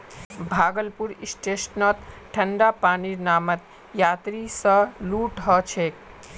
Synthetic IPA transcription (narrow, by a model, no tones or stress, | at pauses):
bʱaːɡəlpuɾisʈesnət̪ʈʰəɳɖapaːninaːmət̪ | jat̪ɾisə̃luʈɦət͡ʃʰek